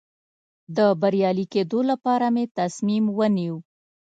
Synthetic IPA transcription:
d̪əbaɾjɑliked̪olapɑɾamet̪asmimwəniw

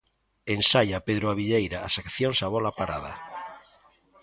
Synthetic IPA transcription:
ensaʎapeðɾoaβiʎejɾaːsakθjonsaβɔlapaɾaða̰

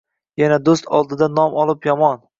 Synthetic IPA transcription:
janad̪ost̪ʰɒ̰lˠd̪ɪd̪anɒmɒlˠɪpjɒmɒn

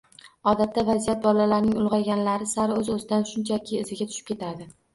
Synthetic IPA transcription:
ɒd̪at̪ʰːavazijat̪̚bɒlalaɾnɪŋʊlˠʁɑɡʲanlaɾɪsaɾɵzɵzɪd̪anʃʊnt͡ʃʰakʲʰɪːzɪɡʲat̪ʰʊ̥ʃɪ̥pkʲʰe̞t̪ʰad̪ɪ

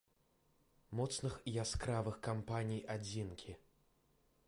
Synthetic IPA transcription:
mɔt̪snɨxijaskɾavɨxkampanʲijad͡zʲinkʲʰi

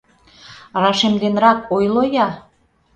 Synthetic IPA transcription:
rɑʃemd̪enɾɑk̚ojlojɑ

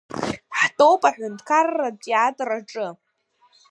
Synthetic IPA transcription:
ħtʼowpʼaħᶣʷʊntʰkʰarːatʼjatʼraʈ͡ʂʼɨ

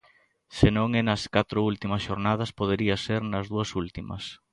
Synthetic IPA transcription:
senõŋenɐskat̪ɾʊult̪imɐsʃoɾnað̞ɐspoð̞eɾiɐseɾnɐzðuɐsult̪imɐ̰s

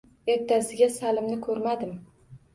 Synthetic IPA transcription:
eɾt̪ʰːasɪɡʲasalɪmnɪkʰɵɾmad̪ɪm

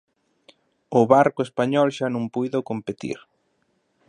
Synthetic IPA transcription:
ʊβaɾkʊespaɲɔlʃanõŋpujðʊkompet̪ḭɾ

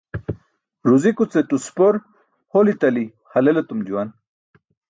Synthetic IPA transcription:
ɾuzikut͡set̪uspoɾ | holit̪ɐli | hɐlelet̪umd͡ʑuwan

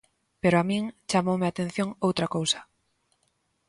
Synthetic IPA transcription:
peɾoamĩŋt͡ʃamowmeat̪ẽn̟θjoŋowt̪ɾɐkowsɐ̥

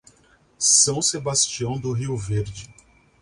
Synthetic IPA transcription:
sɐ̃w̃sebast͡ʃiɐ̃w̃d̪ʊɦiwveɾd͡ʒɪ

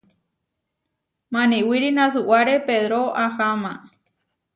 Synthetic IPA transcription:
mãnĩwiɾinãsuʔwaɾepeðɾoʔahamã

